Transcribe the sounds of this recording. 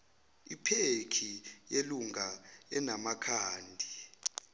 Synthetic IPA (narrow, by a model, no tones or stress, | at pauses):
ipʰekʰijeluŋaɛnamakʰaːndʱi